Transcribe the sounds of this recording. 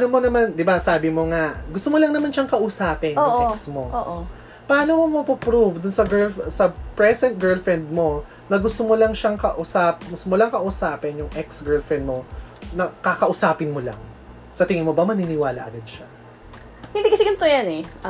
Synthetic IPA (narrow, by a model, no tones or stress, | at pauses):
nomonɐmand̪ɪbasaːbɪmo̞ŋaʔɡʊst̪omolɐŋnɐmanʃɐŋkɐʔʊsaːpɪnjʊʔɛksmo̞ʔoʔo | pɐʔaːnomomɐpʊpɾuvd̪ʊnsɐɡɛɹlsɐpɹɛsɛnt̪̚ɡɛɹlfɹɛnd̪̚mo̞ | nɐɡʊst̪omolɐŋʃaŋkɐʔʊsapɡʊst̪omolɐŋkɐʔʊsaːpɛnjʊŋʔɛksɡɛɹlfɹɛnd̪mo̞nɐkakɐʔʊsaːpɪnmolɐ̰ŋ | sɐt̪ɪŋɪmobɐmɐnɪnɪwaːlɐ̰ʔɐ̰ɡɐd̪̚ʃa | hɪnd̪ɪkɐsɛɡɐnt̪ojanɛ